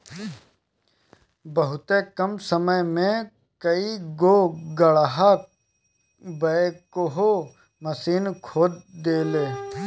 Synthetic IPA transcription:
bəɦʊt̪ekəmsəməjmẽ | kəiɡoːɡəɭɦa | bəkoɦoː | məsiːnkʰoːd̪d̪eːleː

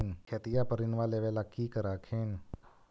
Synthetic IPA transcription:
nkʰeːt̪ijapəɾɪnʋaleːʋelakiːkəɾaːkʰeːn

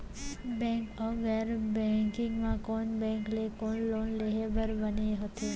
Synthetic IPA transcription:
bɛ̃ŋkəɡɛɾbɛ̃ŋkɪ̃ŋɡmãkonbɛ̃ŋklekonlonleɦebəɾbəneɦət̪e

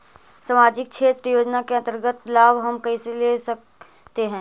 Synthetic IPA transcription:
saːmaːd͡ʒɪk̚kʃʰeːt̪ɾəjoːd͡ʒnakeəɐnt̪əɾɡət̪laːbɦɐmkɐɦĩselesə | t̪eɦɛ̃ː

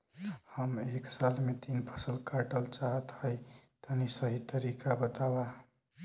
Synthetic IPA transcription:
həmeksalmet̪inpʰəsəlkaʈəlt͡ʃaɦət̪həjt̪ənisəɦit̪əɾikabət̪aba

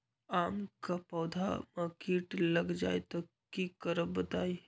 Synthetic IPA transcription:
aːmkapɔːd̪ʱa̰makiːʈləɡd͡ʒa̰ːet̪ɔ | kikəɾəbət̪aːi

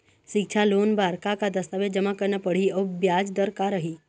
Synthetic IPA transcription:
ʃɪk̚t͡ʃʰaloːnbaːɾkakad̪əst̪aʋed͡ʒəmakəɾnapəɽ̤iobjaːd͡ʒd̪əɾkaɾəɦi

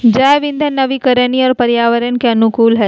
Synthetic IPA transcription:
d͡ʒaːʋɪ̃nd̪ʱənɐʋikəɾəniɔːɾpɐɾjaːʋəɾənkeɐnʊkuːlɦɛ

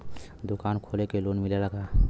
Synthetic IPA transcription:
d̪ʊkaːnkʰoːlekeloːnmɪleləɡa

